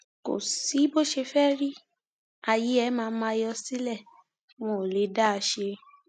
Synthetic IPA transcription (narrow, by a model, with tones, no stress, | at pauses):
ko̰˨si˨˦bo˦ʃe˧fɛ˦ɾi˦ | a˧ji˨˦ɛ˧˦mãː˧˦mã˧˦jɔ˧si˦lɛ˦˨ | mõ˦˨le˨˦da˦a˧ʃe˧